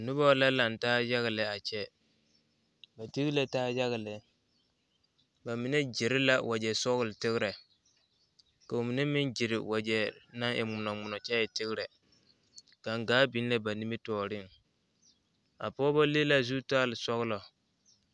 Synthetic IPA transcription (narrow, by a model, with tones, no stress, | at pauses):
nʊ˦ba˦la˦la˨n˨taː˦ja˦ɣlɛ˨a˨t͡ʃɛ˦ | ba˨ti˦ɣle˦taː˦ja˦ɣɪ˨lɛ˨ | ba˨mi˨nɛ˦d͡ʒɪ˨ɾɪ˦la˦wʔa˨d͡ʒɛ˨sɔ˦ɣʊ˦˨lɪ˨tɪ˦ɣɾɛ˨ | ka˨o˨mi˨nɛ˦mɪ˦nd͡ʒi˨ɾɪ̰˨wa˨d͡ʒɛ˨na˦ŋʔɪ̰˨ŋ͡mʊ˨nɔ˨ŋ͡mʊ˨nɔ˨t͡ʃɛ˦ɪ˨tɪ˦ɣɪ˦ɾɛ˨ | ka˨ŋɡaː˦bi˨˦n˦lɛ˦ba˨ni˦mi˦tɔː˨ɾɪ˦˨n | a̰˨pɔː˦ba˦le˦la˦zu˦taː˦lɪ˨sɔ˦ɣlɔ˨